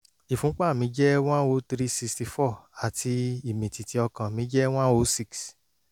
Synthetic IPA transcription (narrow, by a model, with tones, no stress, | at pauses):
i˨fũ˨˦k͡pa˦˨mĩ˨˦d͡ʒɛ˦w̃ã˦o˧˦tɾi˦si˧ksti˧fɔ˦˨a˨tʰi˧i˦˨mĩ˨ti˨ti˨˧˦ɔ˧kã˨mĩ˨˦d͡ʒɛ˦w̃ã˦o˧˦si˦ks